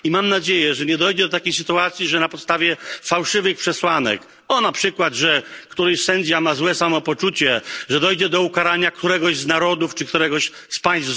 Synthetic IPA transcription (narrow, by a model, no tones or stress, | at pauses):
imamnad͡ʑejɛʐɛɲɛd̪ɔjd͡ʑɛd̪ɔt̪akʲejsɘt̪uat̪sʲjiʐɛnapɔt̪st̪avʲjɛfawʂɘvɘxpʂɛswanɛ̰k | ɔnapʂɘkwad̪ʐɛkt̪uɾɛɕsɛɲd͡ʑamazwɛsamɔpɔt͡ʂut͡ɕɛʐɛd̪ɔjd͡ʑɛd̪ɔukaɾaɲakt̪uɾɛɡɔʑznaɾɔd̪uft͡ʂɘk̚t̪uɾɛɡɔɕ | spaj̃st̪